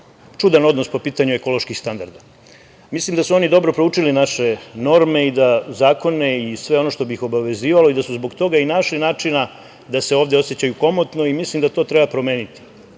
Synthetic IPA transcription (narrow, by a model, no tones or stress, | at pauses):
t͡ʂud̪ano̞d̪nospo̞piːt̪aɲueko̞lo̞ʃkixst̪and̪aɾd̪a | mislimd̪asuo̞nid̪o̞bɾo̞pɾouːt͡ʂilinaʃe̞no̞ɾme̞id̪azaːko̞ne̞isʋe̞o̞no̞ʃt̪o̞bixo̞baʋe̞ziːʋalo̞id̪asuzbo̞ɡt̪o̞ɡainaʃlinaːt͡ʂina | d̪ase̞o̞ːʋd̪eo̞set͡ɕajuko̞mot̪no̞imislimd̪at̪o̞ːt̪ɾebapɾo̞me̞ːnit̪i̥